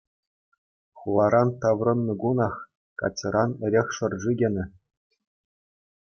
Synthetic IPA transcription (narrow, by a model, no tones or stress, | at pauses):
χulˠɑɾɑnt̪ɑʋrɤ̆nːɤ̆ɡunɑχ | kɑ̰t͡ɕʲːɤ̆ɾɑnɘ̆ɾʲexʲʂɤ̆rʐiɡʲenʲɘ̆